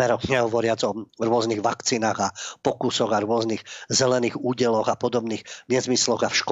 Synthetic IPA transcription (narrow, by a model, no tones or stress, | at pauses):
ɛɾɔɡɲɛɦɔʋɔɾɪad͡zɔɾʊɔzniɣʋakt͡siːnaːɣapɔkusɔɣaɾʊɔzniɣzɛlɛniːɣuːɟɛlɔɣapɔd̪ɔbniːɣmɪɛzmislɔɣafʃk